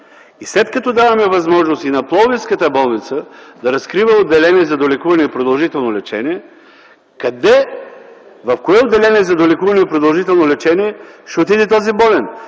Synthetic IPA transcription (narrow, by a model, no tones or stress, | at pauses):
islɛt̪kɐt̪ɔd̪avɐmɛvɐzmɔʒnost̪inɐplˠɔviskət̪əbɔlˠnit̪səd̪ɐɾɐskɾivəod̪ːɛlɛniɛzɐd̪olʲɛkuvɐnɛipɾod̪ɐlˠʒit̪ɛlˠnolɛt͡ʃɛ̰niɛ | kɐd̪ɛ | vɐfkoɛod̪ːɛlɛniɛzɐd̪olɛkuvɐnɛipɾod̪ɐlˠʒit̪ɛlˠnolɛt͡ʃɛniɛʃɛot̪id̪ɛt̪ɔzibɔlɛn